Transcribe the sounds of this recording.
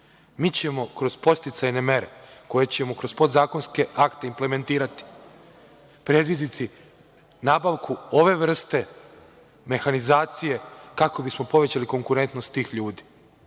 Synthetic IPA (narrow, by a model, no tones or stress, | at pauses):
miːt͡ɕe̞mo̞kɾo̞zpo̞st̪it̪sajne̞me̞ɾe̞̰ko̞je̞t͡ɕe̞mo̞kɾo̞z̥po̞d̪zaːko̞nske̞akt̪e̞imple̞me̞nt̪iːɾat̪i̥ | pɾe̞d̪ʋid̪it̪ʰi | naːbaʋkuo̞ʋe̞ʋr̩st̪e̞ | me̞xanizaːt̪sije̞kako̞bismo̞po̞ʋet͡ɕaliko̞ŋkuɾe̞nt̪no̞st̪t̪ːiːxʎuːd̪i̥